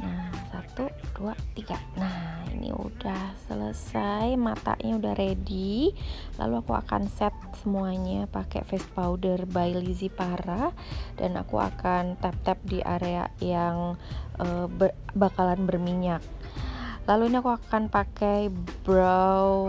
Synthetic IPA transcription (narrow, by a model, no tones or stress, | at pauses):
nahsat̪ud̥uat̪iɡanahḭnḭṵdahsələsajmat̪a̰ʔɲaudahrʔedi | la̰luakua̰ka̰nsɛt̪̚səmuaɲapakɛ̰fɛs̚paudərbailizipaɾa | danʔa̰kṵa̰kant̪ɛp̚t̪ɛp̚diʔa̰ɾea̰jaŋʔəbəbakalanbərmiɲak̚ | laluiniakuakanpakɛjbɾaw